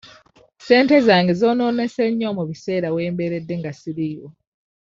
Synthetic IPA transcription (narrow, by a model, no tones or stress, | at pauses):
se̞ːnte̞zaːŋɡezo̞ːno̞ːne̞seɲːomuβise̞ːɾawe̞ːmbe̞ɾe̞dːe̞ŋɡasiɾijo